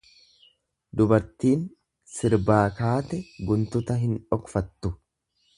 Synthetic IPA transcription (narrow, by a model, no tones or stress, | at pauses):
d̪ʊbɐɾt̪iːn | sɪɾbaːkaːt̪ɛɡʊnt̪ʊt̪ɐɦɪnᶑɔkfɐt̪ːʊ